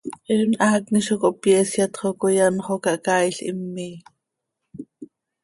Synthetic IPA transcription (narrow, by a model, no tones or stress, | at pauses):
ʔɛnʔɑːkniʃokoʔpjɛːsjɑt̪χokojɑnχokɑʔkɑːjɬʔḭmːiː